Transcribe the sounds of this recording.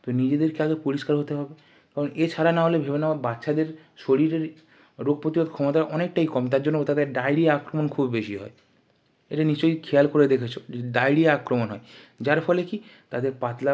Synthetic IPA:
t̪onid͡ʑed̪eɾkiaɡepuɾiʃkaɾɦot̪eɦɔbe | kaɾonet͡ɕʰaɾanaɦolebʱebenaabatːʃʰad̪eɾ | ʃoɽiɾeɾ | ɾoɡ̚pot̪ibod̪kʰɔmot̪aʔɔnek̚ʈajkɔmt̪aɾd͡ʑonːot̪ad̪eɾɖajɽiaakɾomonkʰubbeʃiɦɔ̰e | eʈaniʃt͡ɕojkʰejalkoɾed̪ekʰet͡ɕʰoeɖajɽiaakɾomonɦɔed͡ʑaɾfʰɔlekit̪ad̪eɾpat̪la

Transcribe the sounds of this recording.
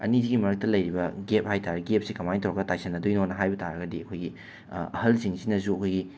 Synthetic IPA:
ɐ̰niziɡimɐɾɐk̚tɐlɐjɾibɐɡep̚hajtaɾɐɡep̚sikɐmajnitʰowɾɐɡɐtajsɐnɐdojnonɐɦajbɐtaɾɐɡɐdiɐkʰojɡi | ɐ̰hɐlsiŋsinɐzuɐkʰojɡi

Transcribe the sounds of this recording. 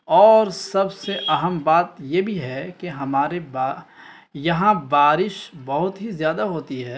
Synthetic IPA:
ɔːɾsɐbseʔɐɦəmbaːt̪jebʱiɦɛkeɦɐmaːɾeba | jɐɦãbaːɾɪʃbɐɦʊt̪ɦizjaːd̪aɦoːt̪iɦɛː

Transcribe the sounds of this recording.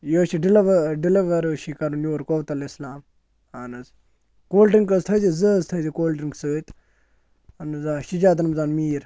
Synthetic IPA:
joːʃiɖilʋɖiliʋɐɾəːʃikɐɾunjoːɾkoʋt̪ɐlislaːm | anɨz | koːlʈiŋkɐzt̪ʰəzizəzt̪ʰəzikoːlʈiŋɡsəːt̪ | ɐnɨzaːʃid͡ʒaːt̪̬nɨmzaːnmiːɾ

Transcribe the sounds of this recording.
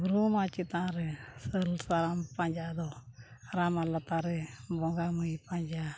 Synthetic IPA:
ɡɾuːmãt͡ʃit̪ãːɾesəlsaɾampãɲʲd͡ʒaːd̪oɾaːmalət̪aːɾebɔ̃ɡaːmuipãːɲd͡ʒa

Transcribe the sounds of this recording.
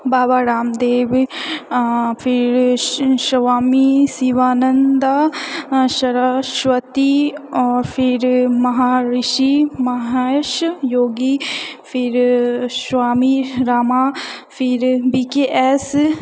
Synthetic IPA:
baːbaːɾaːmd̪eːʋ | pʰɪɾʃɐʋaːmisiʋaːnənd̪a | ʃɐɾəʃʋət̪iɔːɾpʰɪɾmɐɦaːɾɪʃimɐɦaʃjoːɡipʰɪɾʃʋaːmiɾaːmaːpʰɪɾbiːkeʔɛs

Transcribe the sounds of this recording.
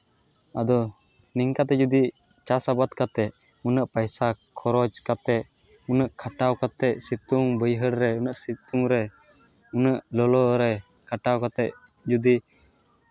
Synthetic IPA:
ad̪ɔ | niŋkat̪̬ɛd͡ʒud̪i | t͡ʃasabat̪kat̪ɛʔ | unəʔpajsakʰɔɾɔd͡ʒkat̪ɛʔ̚ | unəʔkʰaʈawkat̪ɛʔ̚sit̪uŋbəjɦəɽɾɛunəʔsit̪uŋɾɛ | unəʔlɔlɔɾɛ | kʰaʈawkat̪ɛʔ̚ | d͡ʒud̪i

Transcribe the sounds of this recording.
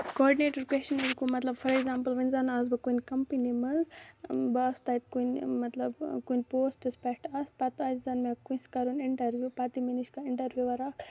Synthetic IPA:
kɔːɾɖineːʈɐɾkwet͡ʃɐninkumɐt̪lɐbfɐɾeɡzaːmpəlʋɐnzanazbɨkunkɐmpinimɐzbɨɐst̪ɐit̪kunmɐt̪lɐbkunʲpoːsʈɨspɛkʈɐspɐt̪ɐzzɐnmekunʲskɐɾunɪɳʈɐɾʋjupɐt̪iminiʃkaɪɳʈɐɾʋjuʋɐɾak

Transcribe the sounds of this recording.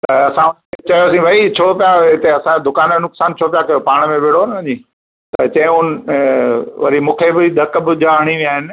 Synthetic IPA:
t̪ɐɐsãʊ | et͡ɕɐjosĩʋʱɐit͡ɕʰoːpijaɪt̪eɐsãd̪ʊkaːnenʊksaːnt͡ɕʰoːpijakɐjopaːɽ̃mẽʋeɽ̤oːnɪʋɐ̃ɲiː | t̪ɐt͡ɕɐ̃ɦɪ̃ʊnɪ | ʋɐ̰ɾimũːkʰebɪd̪ʱɐkbɪʄaɐɽ̃iʋĩaːɦɪnɪ̆

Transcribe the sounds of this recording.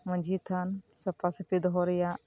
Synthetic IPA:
mɐ̃nʲd͡ʒʱiːt̪ʰansɐpasɐpid̪ɦoɾija

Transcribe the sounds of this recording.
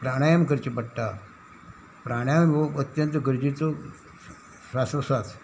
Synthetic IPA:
pɾaɽ̃ajəmkəɾt͡ɕepəɽʈ̪a | pɾaɽ̃ajəmʋoət̪jənt̪əɡəɾd͡ʑit͡so | sasəsat͡s

